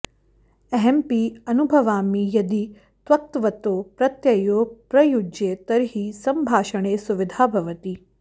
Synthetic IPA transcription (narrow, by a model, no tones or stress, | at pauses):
ɐɦɛmpiɐnubʱɐʋaːmijɐd̪i | sʋɐk̚t̪ʋɐt̪opɾɐt̪jɐjopɾɐjud͡ʒet̪ɐɾɦisɐmbʱaːʃəɳ̃esuʋɪd̪ʱaːbʱɐʋət̪iː